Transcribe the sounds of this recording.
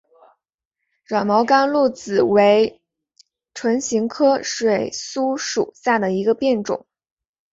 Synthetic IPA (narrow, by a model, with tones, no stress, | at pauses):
ɻwa˨˩nmɑ˧˥ʊka˥nlu˥˩t͡sɹ̩˨˩we˧˥ɪ | ʈ͡ʂʰwə˧˥nɕi˧˥ŋkʰɤ˥ʂwe˨˩ɪsu˥ʂṵ˨˩sa˥˩d̪ə˩i˧˥ɡə˧pjɛ˥˩nʈ͡ʂʊ̰˨˩˦ŋ